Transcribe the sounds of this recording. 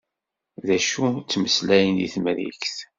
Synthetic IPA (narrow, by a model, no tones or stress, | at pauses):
ðæʃut͡sːməslæjənḭθməɾḭçθ